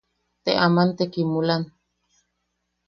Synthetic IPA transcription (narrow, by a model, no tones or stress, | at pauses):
t̪eʔamant̪ekimulan